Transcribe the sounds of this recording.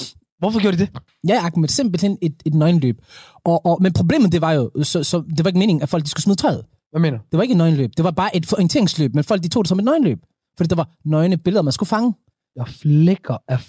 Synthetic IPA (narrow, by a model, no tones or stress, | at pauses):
ʋɒfɒɡ̥jo̝ɐdid̥e | jæɑɡ̥med̥semb̥l̩hene̝d̥e̝d̥nɒɪn̩lø̰ːb̥ | ʔɒʔːmenpʰʁo̝ble̝̰ːmð̩ˠd̥e̝ʋɑ̈jo̝sɒ̽sɒ̽d̥e̝ʋɑ̈e̝ɡəme̝ːne̝ŋ̩æfɒl̰ɡ̥̚isɡ̥u̥smiːðˠt͡sʰɒ̽ɪð̩ˠ | æmḛːnd̥eʋɑ̈e̝ɡ̥əed̥nɒ̽ɪn̩lø̰ːb̥d̥e̝ʋɑ̈b̥ɑ̈ːʔe̝d̥fɒint͡sʰe̝ɐ̰eŋslø̰ːb̥menfɒl̰ɡ̥̚d̥it͡sʰo̰ːd̥e̝sɒ̽me̝d̥nɒ̽ɪnlø̰ːb̥̚ | fɒ̽d̥ḭːd̥ʋɑ̈ | nɒɪnəb̥elðˠɒ̽mænsɡ̥ufɑ̈ŋə | jɑfleɡ̥ɐæ